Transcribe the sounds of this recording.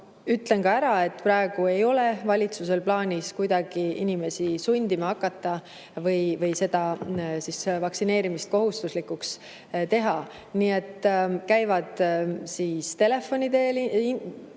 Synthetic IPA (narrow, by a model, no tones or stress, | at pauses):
yt̪le̞ŋkɑæɾɑe̞t̪ːprɑeɡ̥ue̞jo̞le̞vɑlʲit̪suse̞lplɑːnʲiskujd̪̥ɑɡ̥iinime̞sisunʲd̪̥imɑɑkːˑɑt̪ːˑɑ | vɤjvɤjse̞d̪̥ɑsisvɑksine̞ːɾimist̪̚ko̞ɦust̪uslikːˑuks | t̪e̞ɦɑ | niːe̞t̪ːkæjvɑd̪̥siːst̪e̞le̞fːo̞nʲid̪e̞ːl